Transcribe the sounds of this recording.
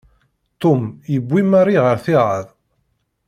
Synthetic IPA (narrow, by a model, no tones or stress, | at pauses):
t̪omjəbʷːimaɾˤiʁəɾθiʁəðˤ